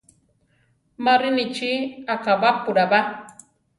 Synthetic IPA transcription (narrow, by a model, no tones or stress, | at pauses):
maɾinit͡ʃiakabapuɾaba